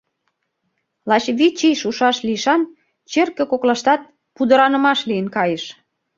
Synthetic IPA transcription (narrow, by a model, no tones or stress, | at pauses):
lɑt͡ɕβit͡ɕijʃuʃɑʃliʃɑn | t͡ɕerkĕkoklɑʃt̪ɑt̪̚ | pud̪ə̆ɾɑnə̆mɑʃliənkɑjeʃ